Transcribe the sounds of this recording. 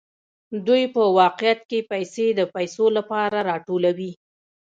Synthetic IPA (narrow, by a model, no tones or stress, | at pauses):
d̪ujpəwɑqɪjat̪̚kepajsed̪əpajsolapɑɾaɾɑʈolawi